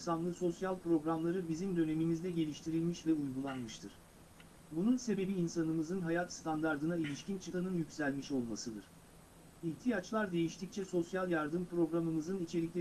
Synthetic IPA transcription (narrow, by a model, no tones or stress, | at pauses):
sanlˠɯso̞sjalʲˠpɾo̞ɡɾamlˠaɾɯbizimd̪ø̞ne̞mimizd̪ɛɟe̞lʲiʃt̪ʰiɾilʲmiʃvɛujɡulˠanmɯʃt̪ʰɯɾ̥ | bununse̞be̞biːnsanɯmɯzɯnɦajat̪st̪ʰand̪aɾd̪ɯnailʲiʃcint͡ʃʰɯt̪ʰanɯnjycʲsælʲmiʃo̞lˠmasɯd̪ɯɾ̥ | iht̪ʰijat͡ʃlˠaɾd̪e̞jiʃt̪ʰic̚t͡ʃʰɛso̞sjalˠjaɾd̪ɯmpɾo̞ɡɾamɯmɯzɯnit͡ʃʰe̞lʲiclʲe